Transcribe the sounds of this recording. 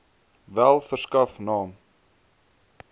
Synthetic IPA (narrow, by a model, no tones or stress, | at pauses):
vælˠfərskɐfnɑːm